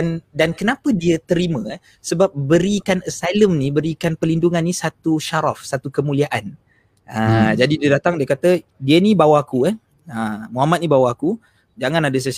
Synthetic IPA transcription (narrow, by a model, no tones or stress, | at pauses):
ndankənapədiət̪əɾimə̃ | səbap̚bəɾikanəsajləmnĩbəɾikanpəlinduŋanːisat̪uʃaɾafsat̪ukəmũliaʔan | əd͡ʒadidiədat̪aŋdiakat̪ədiənibawakuan | əmuɦamat̪̚nibawaku | d͡ʒaŋãnadəs̬əs